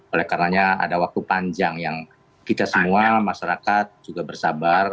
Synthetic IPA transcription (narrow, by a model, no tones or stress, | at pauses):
olɛhkarənaɲaa̰dawak̚t̪upaɲd͡ʒaŋjaŋ | kit̪asəmuamaʃaɾakat̪̚d͡ʒuɡabərsabar